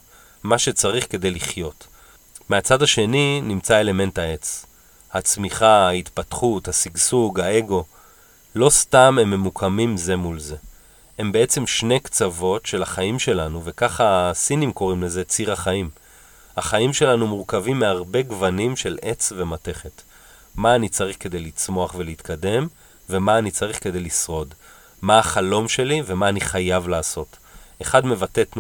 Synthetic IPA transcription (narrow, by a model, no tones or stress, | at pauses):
maʃe̞t͡saʁiχke̞d̪e̞jliχjo̞t | meat͡sadaʃe̞ninimt͡sae̞le̞me̞nthae̞t͡s | hat͡smiχahait̪patχuthasiɡsuɡhae̞ɡo̞ | lo̞stame̞mːe̞mukʰamimze̞mulze̞ | e̞mbe̞e̞t͡se̞mʃne̞jkt͡savo̞tʃe̞laχaimʃe̞lanuve̞kaχaːsinimko̞ʁimle̞ze̞t͡siʁaχaim | haχaimʃe̞lanumuʁkavimːeaʁbe̞ɡvanimʃe̞lʔe̞t͡sve̞mate̞χe̞t | maːnit͡saʁiχke̞d̪e̞jlit͡smo̞aχveleitkʰade̞m | ve̞maːnit͡saʁiχke̞d̪e̞jlisʁo̞d | maːχalo̞mʃe̞live̞maːniχajavlaːso̞t | eχadme̞vate̞tn